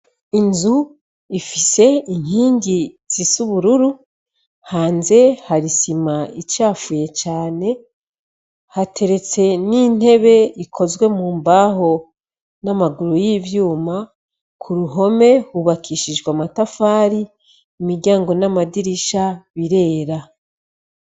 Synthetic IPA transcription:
inzu | ifise̞iŋ̥iːɲɟiz̥isuβuɾuɾu | haːnze̞haɾisimait͡ʃaːfuje̞t͡ʃaːne̞ | hatʰe̞ɾe̞t͡se̞nin̥he̞βe̞ikʰo̞zɡwe̞muːmbaːɦo̞ | namaɡuɾujivjuːma | kʰuɾuɦo̞me̞huβakʰiʃid͡ʒɡwamatafaːɾiː | miɾɟaːŋɡo̞namadiɾiʃaβiɾe̞ːɾa

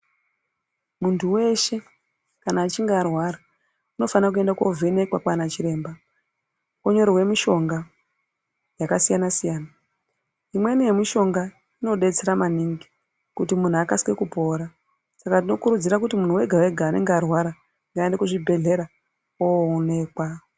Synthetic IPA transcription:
muntʰuwe̞ʃe̞ | kanaːt͡ʃiŋɡaːrwaɾa | uno̞fanak̬ue̞ndako̞̰vʱene̞kwakwanat͡ʃiɾe̞ːmba | oɲo̞ɾiwe̞miʃo̞ŋɡa | jakasijanasijaːna | imwe̞nije̞miʃo̞ŋɡa | ino̞ɗe̞t͡seɾamaniŋɡi | kutimun̤uakaske̞kupo̞ːɾa | sakatino̞kuɾud͡ziɾakutimun̤uwe̞ɡʱawe̞ɡʱaːne̞ŋɡːrwaɾa | ŋɡaendekuʐibʱe̞ɮe̞ɾa | oːne̞kwa

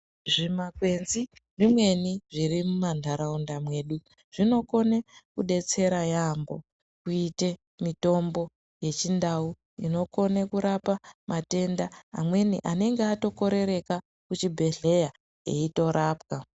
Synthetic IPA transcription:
ʐimakwenziʐimwe̞niʐiɾimumandʱaɾaundamwe̞ːɗu | ʐ̥ino̞ko̞nekuɗe̞t͡se̞ɾajambo̞̰ | kuite̞ | mito̞mbo̞ | je̞t͡ʃindau | ino̞ko̞nekuɾapamʔate̞nda̰ːmwe̞nḭʔane̞ŋɡeato̞ko̞ɾe̞ɾe̞ka | kut͡ʃibʱe̞ɮe̞ja | ḛito̞ɾʔaːpka

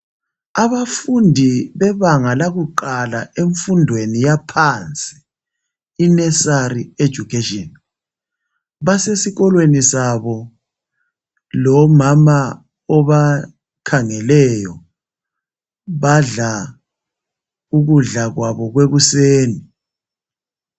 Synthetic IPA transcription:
aβafundʱiβɛβaŋalaɣuǃalaeɱfundʱwenijapʰant͡sʼi̥ː | nɛsaɾied̥ʒ̥ʱukʰeʃɔn | βasesiɣɔlwenisaβɔ | lɔmama | ɔβa | kʰaŋɛlɛjɔ | βaɮa | uɣuɮaɣwaβɔɣweɣuseːni

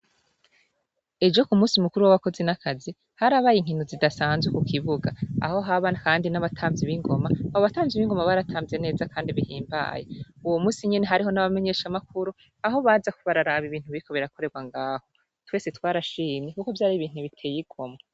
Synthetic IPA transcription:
e̞d͡ʒo̞kumuːsimukuɾuwaβako̞zenakʰazi | haɾaːβaːjiŋ̥hinuzidasaːnzwekukiβuɡaa̰ho̞ɦaβanakaːndinaβatʰaːmvziβiŋɡo̞maoβataːmvziβiŋɡo̞maβaɾatʰaːmze̞ne̞ːzakaːndiβihiːmba̰ːjḛuwomuːsiɲene̞ɦaɾiɦo̞naβame̞ɲe̞ːʃamakuɾu | aɦo̞βaːzakuβaɾaɾaβiβiːn̥uβiko̞βiɾako̞ɾe̞ɾɡwaŋɡaːho̞ | twe̞ːse̞twaːɾaʃiːɲekuko̞vjaːɾiβiːn̥huβitʰe̞ːjiɡ̥o̞ma

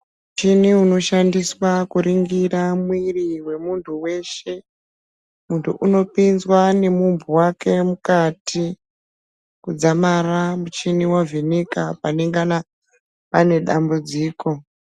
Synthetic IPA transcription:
mut͡ʃiniuno̞ʃandiswakuɾiŋɡiɾamwiriwe̞muntʰuwe̞ʃe̞ | muntʰuʔuno̞pinzwane̞mumbuwakʰe̞mukatʰi | kud͡zamaramut͡ʃiniwavinikapaneŋɡana | pane̞ɗambud͡ziːko̞

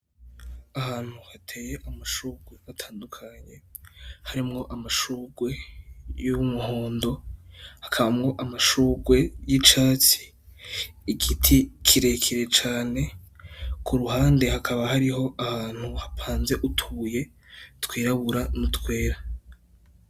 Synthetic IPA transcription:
ahaːn̥huhatʰe̞ːjeʔamaʃuːɡwe̞atʰaːndukʰaɲe̞haɾimŋo̞ʔamaʃuːɡwe̞jumuhoːndo̞hakʰaβamŋo̞ʔamaʃuːɡwe̞jit͡ʃaːt͡si̥ː | ɡitʰikʰiɾe̞kʰeɾe̞t͡ʃaːne̞ | kʰuɾuɦaːnde̞hakʰaβahaɾiɦo̞ʔahaːn̥huhapʰaːnze̞ʔutʰuːje̞ | twiːɾaβuɾanutkwe̞ːɾa

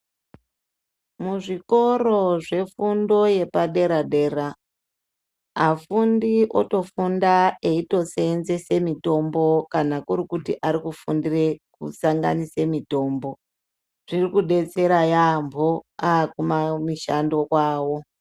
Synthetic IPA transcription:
muʐiko̞ɾo̞ʐe̞fundo̞je̞paɗe̞ɾaɗe̞ːra | afundiʔo̞̰to̞fundae̞ito̞seːnze̞se̞mito̞mbo̞kanakuɾikutiʔaɾikufundire̞kusaŋɡa̰nise̞mito̞ːmbo̞ | ʐ̥irikuɗe̞t͡se̞ɾajambʱoakumamiʃando̞kwaːwo̞

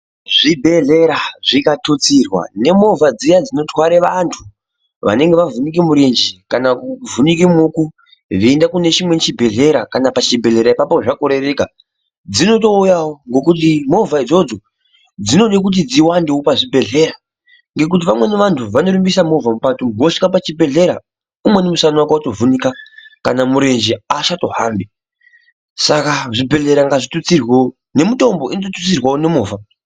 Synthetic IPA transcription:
ʐibʱe̞ɮe̞ɾaʐikatot͡sirwa̰ne̞mo̞vʱad͡zijad͡zino̞twaɾeʋantʰu | ʋa̰ne̞ŋɡeʋavunik̬imuɾend͡ʒikanakuvunik̬imuku | ʐiːndakune̞t͡ʃimwe̞t͡ʃibʱe̞ɮe̞ɾakanapat͡ʃibʱe̞ɮe̞ɾaipapoʐakoɾe̞ʋeːka | d͡zino̞to̞ujawoŋɡo̞kut̬imo̞vʱaid͡zo̞d͡zo̞ | d͡zino̞ɗek̬ut̬id͡ziwandeopaʐibʱe̞ɮe̞ɾa | ŋɡe̞k̬ut̬iʋamwe̞neʋantʰuʋano̞ɾimbisamo̞vamupatuɡoʂi̥kapat͡ʃibʱe̞ɮe̞ɾa̰ | umwe̞nemusanwakwautovunikakanamuɾe̞nd͡ʒeaʃato̞ɦaːmbi | sakaʐibʱe̞ɮe̞ɾaŋɡaʐitut͡sirwe | ne̞mito̞mbo̞ʔinototut͡sirwaone̞mo̞ːva

